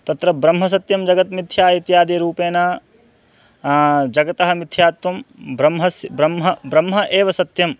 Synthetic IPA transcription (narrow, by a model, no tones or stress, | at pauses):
t̪ɐt̪ɾɐbɾɐmɦɐs̬ɐt̪jɐmd͡ʒɐɡɐt̪mit̪ʰjaːit̪jaːd̪eɾuːpeːnaː | d͡ʒɐɡɐt̪ɐɦɐ̆mit̪ʰjaːt̪ːɐmbɾɐmɦɐsbɾɐmɦɐbɾɐmɦɐʔeːʋɐsɐt̪jɐm